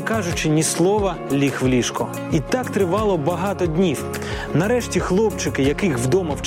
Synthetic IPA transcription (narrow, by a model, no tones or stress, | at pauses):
kɑʒʊt͡ʃɪnʲislˠɔʋɐlʲixʋlʲiʃkɔ | it̪ɑkt̪ɾɪʋɑlˠɔbɐɦɑt̪ɔdʲnʲiw | nɐɾɛʃtʲixlˠɔp̚t͡ʃɪkɪjɐkɪxʋd̪ɔmɐwt͡ʃ